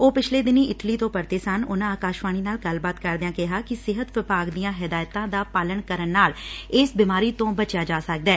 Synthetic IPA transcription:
oːpɪt͡ʃʰleːd̪ɪniːɪʈliːt̪õːpəɾt̪eːsənʊ̰nãːaːkaːʃʋaːñiːnaːlɡəlbaːt̪kəɾd̪eãːkɪɦaːkɪsɪɦət̪ʋɪbaːɡd̪ijãːɦɪd̪aːjt̪ãːd̪aːpaːləɳkəɾənːaːlɪsbɪːmaːɾiːt̪õːbət͡ʃjaːd͡ʒaːsək̚d̪ɛː

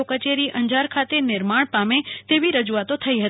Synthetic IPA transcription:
okət͡ʃeɾiʔəɲd͡ʒaɾkʰat̪enɪɾmaɳpamet̪eʋiɾəd͡ʒuat̪ot̪ʰəiɦət̪

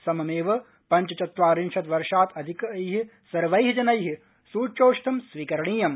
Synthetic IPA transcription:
sɐmɐmeːʋɐ | pɐɲt͡ʃɐt͡ʃɐt̪ʋaːɾinʃɐt̪ʋɐɾʃaːt̪ɐd̪ʱikɐɐjɦi | sɐɾʋɐjɦid͡ʒɐnɐjɦi | suːt͡ʃoːʃt̪ʰɐmsʋiːkɐɾɐɳiːjɐm

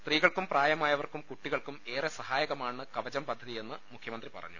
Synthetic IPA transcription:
st̪riːɣɐɭkumpraːjɐmaːjɐʋɐrkumkuʈːiɣɐɭkume̞ːresɐhaːjɐɣɐmaːɳɨkɐʋɐd͡ʑɐmpɐd̪ʱːɐðije̞nːɨmukʰjɐmɐnd̪ripɐ̰rɐ̰ɲːṵ

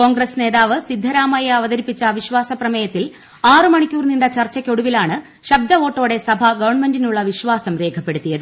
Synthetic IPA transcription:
ko̞ːŋɡresne̞ːðaːʋɨsid̪ʱːɐɾaːmɐjeɐʋɐðɐɾipːit͡ɕːɐʋiɕʋaːsɐprɐmɐjɐt̪ːil | aːrɨmɐɳikʲːuːrniɳɖɐt͡ɕɐrt͡ɕːɐkʲːo̞ɽuʋilaːɳɨ | ɕɐb̚d̪ʱɐo̞ːʈːo̞ːɽe̞sɐbʱɐɡɐʋɐrɳme̞ndinuɭːɐʋiɕʋaːsɐmre̞ːkʰɐpːe̞ɽut̪ːijɐðɨ

